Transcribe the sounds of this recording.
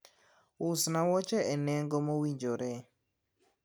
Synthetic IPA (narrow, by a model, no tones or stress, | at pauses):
ʊsnawɔt͡ʃɛɛnɛŋɡɔmowiɲd͡ʒoɾɛ